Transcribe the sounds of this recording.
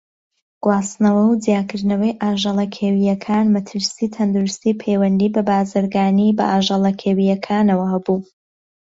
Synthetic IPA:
ɡ̥waːsnɐwɐwd͡zijaːkɨɾd̪nɐwɐjʔaːʒɑlˠɐkʰewijɐkʰaːnmɐt̪ʰɨɾsiːt̪ʰɐnd̪uɾust̪iːpʰejwɐnd̪iːbɐbaːzɨɾɡaːnibɐ̰ʔaːʒɑlˠɐkʰeːwijɐkʰaːnɐwɐhɐbuː

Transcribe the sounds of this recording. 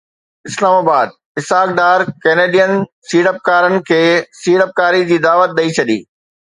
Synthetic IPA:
ɪslaːmaːbaːd̪̚ | ɪsaːk̚d̪aːɾkɛːneːɖijən | siːɽəp̚kaːɾənɪ̆kʰeːsiːɽəp̚kaːɾid͡ʑiːd̪aːʋət̪̚ɗ̪ɐit͡ɕʰɐɗḭː

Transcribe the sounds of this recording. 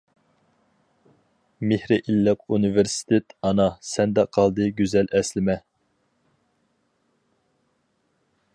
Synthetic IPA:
mɪhɾɪʔilːɨq̚unɨveɾsɪ̥t̪ʰet̪ɑnɑsɛnd̪ɛqʰɑlˠd̪ɨɡʲyzɛlɛslɪmɛ

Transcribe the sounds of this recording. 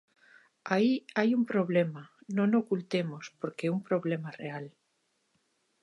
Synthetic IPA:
aiajumpɾoβ̞lemanõnokult̪emospoɾkeumpɾoβ̞lemareal

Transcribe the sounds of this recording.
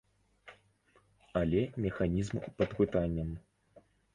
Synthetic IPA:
ɐlʲɛmʲɛxanʲizmpɐd̪pɨt̪anʲːɐm

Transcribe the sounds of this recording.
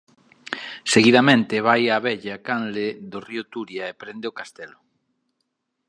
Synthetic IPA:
seɣiðamẽnt̪ɪβajaβɛʎakanleðoriʊt̪uɾjaepɾend̪eɪokast̪ɛlʊ

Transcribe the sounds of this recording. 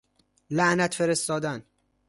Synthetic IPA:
læʔnæt̪feɾest̪ɒːd̪æn

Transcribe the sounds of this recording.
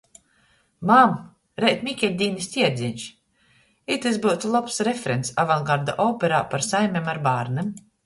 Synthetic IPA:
mam | ɾɛjt̪mʲikʲɛlʲd̪ʲiːnisʲt̪ʲiɛd̪zʲinʲʃ | it̪esbuwt̪ulˠɔpsɾefeɾent̪sa̰vaŋɡaɾd̪a̰ʔɔwpɛɾaːpaɾsajmʲɛmaɾbaːɾnɛm

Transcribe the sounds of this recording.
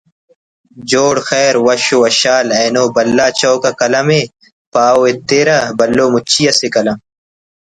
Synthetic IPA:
d͡ʑoːɽxeːɾwɐɕowɐɕaːlɐːnoːbɐlːaːt͡ɕɐwkɐkɐlɐme | paːoet̪ːeːɾɐbɐlːoːmut͡ɕʰijɐsekɐlɐm

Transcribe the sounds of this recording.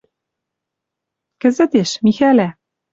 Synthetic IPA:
kɘ̆zɘ̆t̪eʃmixælæ

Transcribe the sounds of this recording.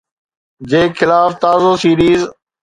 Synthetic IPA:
d͡ʑeːkʰɪlaːft̪aːzoːsiːɾiːz

